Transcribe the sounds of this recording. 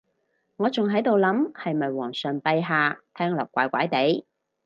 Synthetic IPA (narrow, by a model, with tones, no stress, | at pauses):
ŋɔː˨˧t͡sʊ˨ŋɦɐ˨˥jt̪o˨wlɐ˨˥mhɐ˨jmɐ˨˩jwɔː˨˩ŋsœː˨˩ŋpɐ˧jɦaː˨˧t̪ʰɛː˥ŋlɔː˨˩k̚ːʷa̰ː˨˧jkʷa̰ː˨˥jt̪e˨˥j